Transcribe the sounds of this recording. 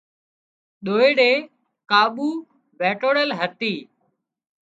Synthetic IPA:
ɗoːeːɽeː | kaːɓuː | ʋeːʈoːɽəlɦət̪iː

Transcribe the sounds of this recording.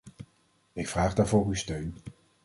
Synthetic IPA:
ɪkfraːχdaːɹvʊːrystøɥn

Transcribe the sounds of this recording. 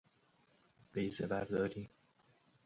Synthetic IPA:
b̥ejzebæɾd̪ɒːɾiː

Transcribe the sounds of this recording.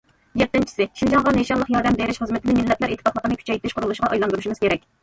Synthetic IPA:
jɛt̪ːɪnt͡ʃʰi̥sɪʃind͡ʒɑŋʁɑneʃɑmlˠəqjɑɾd̪ɛmbeɾɪʃχəzmɪt̪ʰɪnɪmɪlːɛplæɾʔet̪ʰːfɑχlˠəqʰnɨkʰʲy̥t͡ʃʰɛjt̪ʰɪʃqʰʊɾulˠuʃʁɑʔɑjlˠɑnd̪uɾuʃimɨz̥kʲeɾɛkʲ

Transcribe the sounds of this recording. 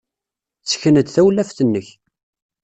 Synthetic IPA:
t͡sːə̥çənəd̪θæwlːæfθənːəç

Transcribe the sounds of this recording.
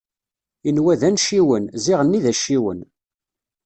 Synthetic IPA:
inwæðænʃiwənziʁənːiðæʃːiwə̰n

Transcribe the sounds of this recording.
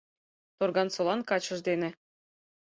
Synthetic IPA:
t̪orɣɑnsolɑnkɑt͡ɕɤ̆ʒd̪enĕ

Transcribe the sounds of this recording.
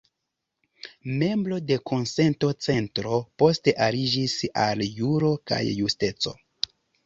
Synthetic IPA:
me̞mbɾo̞de̞kʰonse̞nto̞t͡se̞ntɾo̞po̞ste̞ʔaɾid͡ʒisaljuɾo̞ka̰jːuste̞t͡so̰

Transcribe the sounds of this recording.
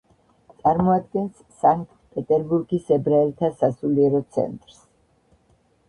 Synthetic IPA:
t̪sʼaɾmɔad̪̚ɡɛns | saŋkkʼt̪pʼɛt̪ʼɛɾbuɾɡisɛbɾaɛlt̪ʰasasuliɛɾɔt̪sʰɛ̰nt̪ʼɾs

